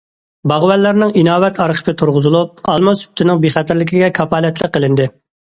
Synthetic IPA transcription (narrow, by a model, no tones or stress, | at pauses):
bɑʁwɛlːæɾnɪŋinɑːwɛt̪ʰɑɾχʰə̥pʰɪt̪ʰuɾʁʊzɨlˠup̚ɑlˠmɑsy̥b̚t̪ʰɪnɪŋbiχɛt̪ʰæɾlɪkʲʰiɡʲɛkʰɑpɑːlɛt̪ʰlˠəqːəlˠɪnd̪ɪ